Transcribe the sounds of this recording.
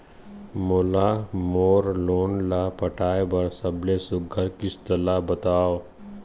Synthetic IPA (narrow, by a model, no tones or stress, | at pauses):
moːlamoːɾloːnlapəʈʰaːebɐɾsɐblesʊɡʱəɾkɪst̪əlabɐt̪aːo